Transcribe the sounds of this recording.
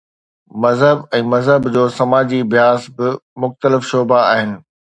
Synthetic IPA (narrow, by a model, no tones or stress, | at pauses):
mɐzɦəbɛ̃ːmɐzɦəbd͡ʑoːsɐmaːd͡ʑibjaːzbɪmʊxt̪əlɪfʃoːbaaːɦɪnɪ̆